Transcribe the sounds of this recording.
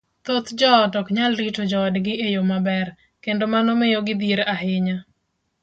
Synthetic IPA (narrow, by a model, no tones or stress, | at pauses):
t̪ot̪d͡ʒɔtɔkɲalɾitod͡ʒɔːdɡɪʔejomabɛr | kendomanɔmɪjoɡɪd̪iɾaɦɪɲa